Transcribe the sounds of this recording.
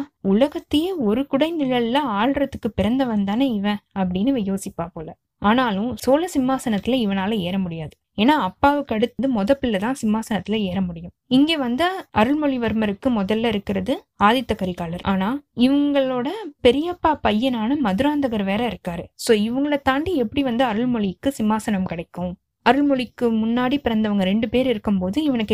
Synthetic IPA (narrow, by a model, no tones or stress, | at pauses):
ʊlɐɣɐt̪ːɯjɐɔɾɯkʊɽɐɪnɪlɐɭɪlɐaːɻɾɐt̪ːɯkːɯpɪɾɐnd̪ɐʋɐnd̪aːnɐɪʋɛ̃ɐpːɐɽɪnːɯʋɪjoːsɪpːaːpoːlɐ | aːnaːlʊ̃soːlɐsɪmːaːsɐnɐt̪ːɪlɐɪʋɐnaːlɐ̃eːɾɐmʊɽɪjaːðɯ | eːnːaːɐpːaːʋɯkːɯɐɽɯt̪ːɐðɯmɔðɐpːɪlːɐt̪ãːsɪmːaːsɐnɐt̪ːɪlɐeːɾɐmʊɽɪjɯ̃mɪŋɡeːʋɐnd̪ɐʔɐɾɯɭmɔɭɪʋɐɾmɐɾɯkːɯmʊðɐlːɐɪɾɯkːɪɾɐðɯ | aːðɪt̪ːɐkːɐɾikaːlɐɾʔaːnaːɪʋɐŋɡɐɭoːɽɐpɛɾɪjɐpːaːpɐjːɐnaːnɐmɐðɯɾaːnd̪ɐɣɐɾʋeːɾɐɪɾɯkːaːɾɯsoːɪʋɐŋɡɐɭɐt̪aːɳɖiɛpːɐɽiʋɐnd̪ɯɐɾɯɭmɔɭɪɯkːɯsɪmːaːsɐnɐmkɪɽɐɪkːʊ̃ | ɐɾɯɭmɔɭɪkːɯmʊnːaːɽipɪɾɐnd̪ɐʋɐŋɡɐɾɛɳɖɯpeːɾɪɾɯkːɯmpoːðɯɪʋɐnɯkː